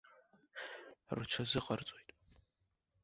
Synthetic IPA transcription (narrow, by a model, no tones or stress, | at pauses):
rɨt͡ʃʰɐzɨqɐrt͡sʷʼojtʼ